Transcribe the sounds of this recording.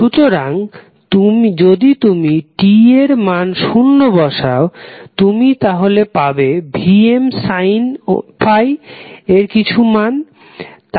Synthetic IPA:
ʃut̪oɾaŋ | t̪umd͡ʑod̪it̪umiʈieɾmanʃunːobɔʃaot̪umit̪aɦolepabebʱiemsajn̰fʰajeɾkit͡ɕʰuman | t̪

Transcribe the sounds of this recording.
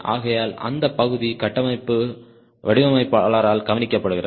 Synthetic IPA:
a̰ːɣɐjaːlɐ̰nd̪ɐpːɐɣɯðikɐʈːɐmɐɪpːɯ | ʋɐɽɪʋɐmɐɪpːaːlaːɾaːlɡɐʋɐnɪkːɐpːɐɽɯɣɪɾɐ

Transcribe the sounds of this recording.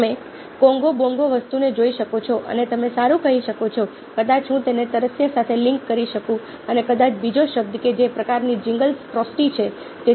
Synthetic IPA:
me | kɔ̃ŋɡobɔ̃ŋɡoʋəst̪uned͡ʒoiʃəkot͡ʃʰɔʔə̰net̪əmesaɾũkəɦiʃəkot͡ʃʰɔ | kəd̪at͡ʃɦũt̪enet̪əɾəsjəsat̪ʰelɪ̃ŋkːəɾiʃəkũ | ənekəd̪at͡ʃbid͡ʒoʃəb̚d̪əked͡ʒepɾəkaɾnid͡ʒɪ̃ŋɡəlsʈɾɔsʈit͡ʃʰe | t̪e

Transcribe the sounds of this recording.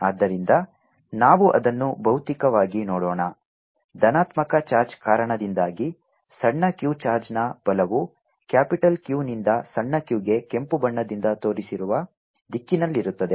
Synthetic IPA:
aːd̪ːɐɾind̪ɐ | naːʋuʔɐd̪ɐnːubʱɐwt̪ikɐʋaːɡinɔːɽɔːɳɐ | d̪ɐnaːt̪mɐkɐt͡ʃaːɾd͡ʒkaːɾɐɳɐd̪ind̪aːɡi | sɐɳːɐkjuːt͡ʃaːɾd͡ʒnɐb̥ɐlɐʋu | kjaːpiʈɐlkjuːnind̪ɐsɐɳːɐkjuːɡe̞ke̞mpubɐɳːɐd̪ind̪ɐt̪o̞ːɾisiɾuʋɐ | d̪ikːinɐlːiɾut̪ːɐd̪e̞

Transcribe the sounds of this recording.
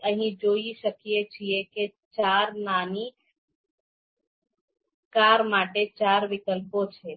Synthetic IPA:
əɦĩd͡ʒoisəkijet͡ʃʰijeket͡ʃaɾnani | kaɾmaʈet͡ʃaɾʋikəlpot͡ʃʰɛ

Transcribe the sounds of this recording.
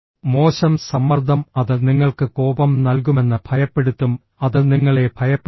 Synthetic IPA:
mo̞ːɕɐmsɐmːɐrd̪ʱɐmɐðɨniŋːɐɭkɨko̞ːbɐmnɐlk̬ume̞nːɨbʱɐjɐpːe̞ɽut̪ːum | ɐðɨniŋːɐɭe̞bʱɐjɐpː

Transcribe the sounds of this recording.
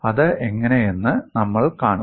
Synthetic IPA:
ɐðɨeŋːɐne̞jenːɨnɐmːɐɭkaːɳu

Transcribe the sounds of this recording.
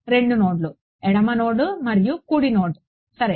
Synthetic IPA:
ɾe̞ɳɖunoːɖlu | ɛɽɐmɐnoːɽumɐɾijukuːɽinoːɽu | sɐɾe

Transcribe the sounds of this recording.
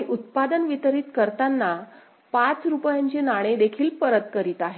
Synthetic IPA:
iʔut̪̚pad̪ənʋit̪əɾiːt̪kəɾt̪anːa | pat͡sɾupjãɲt͡ɕenaɽ̃ed̪ekʰiːlpəɾət̪kəɾiːt̪aɦe

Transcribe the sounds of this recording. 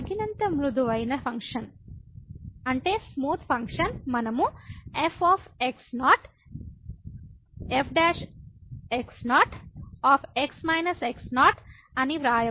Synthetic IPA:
ɐɡinɐnt̪ɐmɾud̪uʋɐjnɐpʰɐŋkʂɐn | ɐɳʈeːsmuːt̪ʰpʰɐŋkʂɐnmɐnɐmuefʰaːpʰeksnaːʈ | epʰɖaːʂ | eksnaːʈaːpʰeksmɐjnɐseksnaːʈ | ɐniʋɾaːjɐ

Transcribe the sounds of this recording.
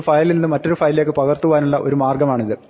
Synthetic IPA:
fɐjlninːɨmɐtːo̞ɾufɐjlile̞ːk̬ːɨpɐɣɐrt̪uʋaːnuɭːɐʔo̞ɾumaːrɡɐmaːɳiðɨ

